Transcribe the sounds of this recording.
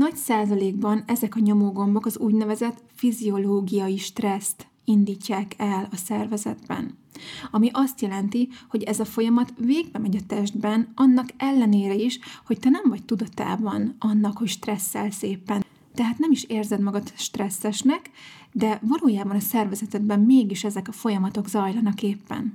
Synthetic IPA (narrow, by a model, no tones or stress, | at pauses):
nɒcsaːzɒleːɡbɒnɛzɛkɒɲomoɡo̞mbo̞kɒzuːɟnɛvɛzɛt̪fizio̞loːɡijɒjiʃt̪rɛst̪ | ind̪iːcːaːkʰɛlɒsɛrvɛzɛd̪bɛ̰n | ɒmiʔɒst̪jɛlɛnt̪iho̞ɟɛzɒfo̞jɒmɒt̪veːɡbɛmɛɟɒt̪ɛʒd̪bɛnɒnːɒkɛlːɛneːɾɛiʃho̞ct̪ɛnɛɱvɒc̚t̪ud̪ɒt̪a̰ːbɒnɒnːɒkho̞cʃt̪rɛsːɛlseːpːɛn | t̪ɛɦaːt̪nɛmiʃeːrzɛd̪mɒɡɒt̪ʃt̪rɛsːɛʃnɛkd̪ɛvɒloːjaːbɒnɒsɛrvɛzɛt̪ɛd̪bɛmmeːɡiʃɛzɛkɒfo̞jɒmɒt̪o̞ɡzɒjlɒnɒkeːpːɛ̰n